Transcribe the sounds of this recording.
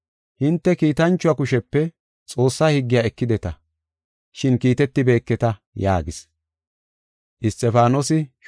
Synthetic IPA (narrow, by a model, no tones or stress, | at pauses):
hɪnt̪ːɛkiːt̪ɐnt͡ʃːʊwaːkʊʃɛpːɛ | t͡sʼo̞ːsːaːhɪɡːɪjaːɛkːɪd̪ɛt̪ɐ | ʃɪnkiːt̪ɛt̪ːɪbe̞ːkːɛt̪ɐ | ja̰ːɡɪs | ʔɪst̪ʼːɛfaːnosɪ